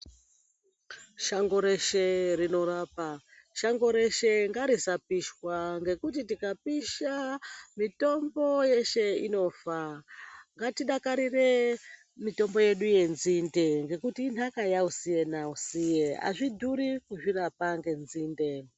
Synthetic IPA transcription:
ʃaŋɡo̞ɾe̞ʃe̞rino̞ɾaːpa | ʃaŋɡo̞ɾe̞ʃe̞ŋɡaɾisapiʃwaŋɡe̞kut̬itikapiʃamito̞mbo̞je̞ʃe̞ino̞ːfa | ŋɡatiɗakaɾire̞ | mito̞mbo̞je̞ɗuje̞nzinde̞ŋɡe̞kutinakajausije̞nausijea̰ʐidʱuɾikuʐirapaŋɡe̞nziːnde

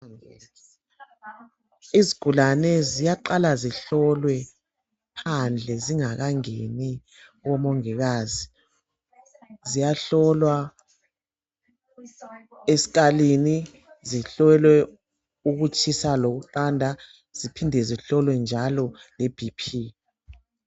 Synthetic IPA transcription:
ɛ̰ | iziɡ̥ʱulanɛzijaǃalaziɬɔlwɛ | pʰand͡ɮʱɛziŋaɣaŋeni | ɣɔmɔŋɛɣaːzi | zijaɬɔlwa | esi̥ɣalini | ziɬɛlwɛ | uɣut͡ʃʰʼisaloɣuǃandʱa | z̥ipʰindʱɛziɬɔlwɛnd͡ʒʱalɔleb̥ʱipʰi

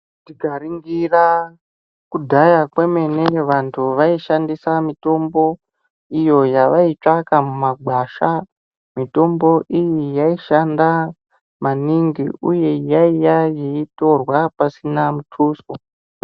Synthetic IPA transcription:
ndiɡʱaɾiŋɡira | kudʱajakweme̞ne̞ʋantʰuʋaiʃandisamito̞mbo̞ | ijo̞jaʋait͡ʂakamumaɡʱwaʃa | mito̞mbo̞ʔijijaiʃanda | maniŋɡiuje̞jaijajeito̞rwapasinamutʰuːso

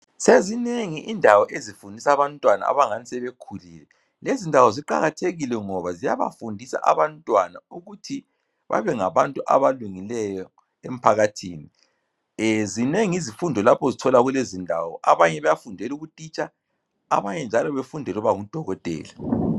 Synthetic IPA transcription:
sezineŋiʔindʱawɔʔezifundʱisaβantʼwana̰a̰βaŋanisɛβekʰuliːlɛ | lezindʱawɔziǃa̰ɣatʰeɣilɛŋɔβazija̰βa̰fundʱisa̰ʔaβantʼwanauɣutʰi | βa̰βɛŋaβantʼuʔa̰βaluŋilɛjɔ | em̩pʰaɣatʰiːni | zineŋizifundʱɔlapʰɔzitʰɔlaɣulezindʱaːwɔ̰ʔa̰βaɲɛβajafundʱɛluɣutʼit͡ʃʼa | a̰βaɲɛnd͡ʒʱalɔβefundʱɛluβaŋud̥ʱɔɣɔtʼɛ̰ːla

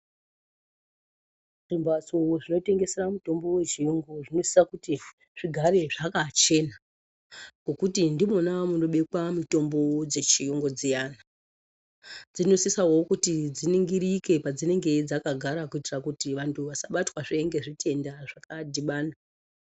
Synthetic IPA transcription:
rimbat͡sowoʐino̞te̞ŋɡe̞se̞ɾamuto̞mbo̞wet͡ʃijoŋɡoʐino̞si̥sakuti | ʐ̥iɡʱaɾe̞ʐakat͡ʃe̞na | ɡo̞kutindimonamuno̞ɓekwamito̞mbo̞d͡ze̞t͡ʃijoŋɡo̞d͡zijaːna | d͡zino̞sisawo̞kutid͡ziniŋɡiɾike̞pad͡zine̞ŋɡe̞d͡zakaɡʱaɾakuitirakutiʋantʰuʋasaɓatwaʐeeŋɡe̞ʐite̞ndaʐ̥akadʱiɓaːna

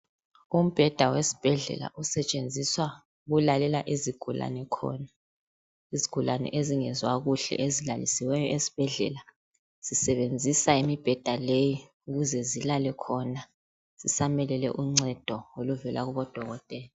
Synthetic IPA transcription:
um̩b̥ʱɛd̥ʱawesi̥b̥ʱɛɮɛ̰la̰ʔusɛt͡ʃʼend͡zʱiswa | ɣulalɛlaʔiziɡ̥ʱula̰nɛkʰɔ̰ːna | iziɡ̥ʱulanɛ̰ʔeziŋɛzwaɣuɬɛ̰ʔezilalisiwɛjɔesi̥b̥ʱɛɮɛ̰la | z̥isɛβend͡zʱisaimib̥ʱɛd̥ʱaleji | uɣuzɛzilalɛkʰɔna | z̥isamɛlɛlɛ̰ʔuŋ͡ǀɛd̥ʱɔoluvɛlaɣuβɔd̥ʱɔɣɔtʼɛːlɔ

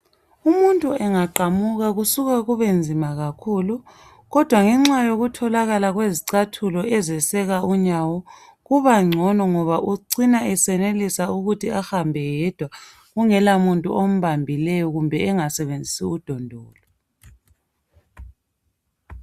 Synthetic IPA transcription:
umuntʼuɛŋaǃamuɣaɣusuɣaɣuβend͡zʱimaɣakʰuːlu | ɣɔd̥ʱwaŋɛŋ͡ǁajoɣutʰɔlaɣalaɣweziǀatʰulɔʔɛzɛsɛɣauɲawɔ | ɣuβaŋ͡ǀʱɔnɔŋɔβaʔuǀinaʔɛsɛnelisauɣutʰiahambʱɛjɛd̥ʱwa | ɣuŋɛlamuntʼṵʔom̩βambʱilɛjɔɣumbʱɛɛŋasɛβend͡zʱisiud̥ʱɔndʱɔːlɔ

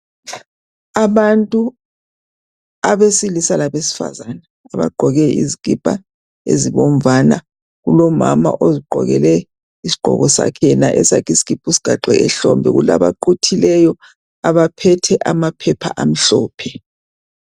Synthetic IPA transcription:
aβantʼu | aβesilisalaβesi̥fa̰zanaːβa̰ɡ͡ǃʱɔɣɛḭzikʼipʼa̰ | ḛziβɔm̩vana | ɣulɔma̰ma̰ʔoziɡ͡ǃʱɔ̰ɣɛlɛ | isi̥ɡ͡ǃ̥ʱɔ̰ɣɔsa̰kʰɛɛnaʔɛsakʰisi̥kipʼusi̥ɡ̥ʱaǃɛɛɬɔmbʱɛ̰ɣṵla̰βa̰ǃutʰilɛjɔ | aβapʰɛtʰɛʔamapʰɛpʰa̰ʔam̩ɬɔːpʰɛ

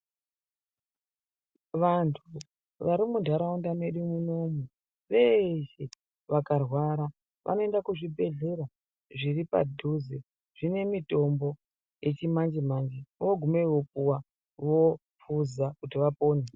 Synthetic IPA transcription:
ʋantʰu | ʋaɾimundʱaɾaundane̞ɗumuno̞mu | ʋeʃe̞ | ʋakarwaɾa | ʋʔa̰no̞e̞ndakuʐibʱe̞ɮe̞ra | ʐiripa̰dʱuze | ʐ̥ine̞mito̞mbo̞ | je̞t͡ʃimand͡ʒimand͡ʒiʋoɡʱumeiwopuwa | ʋo | p͡fuzakutiʋapo̞ːne

